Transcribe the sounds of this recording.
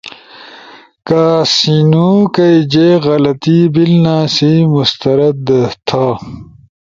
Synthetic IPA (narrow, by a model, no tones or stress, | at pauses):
kaːsinukɐjd͡ʑeːɣɐlɐt̪ibilnaːsimust̪ɐɾɐd̪ɐt̪ʰa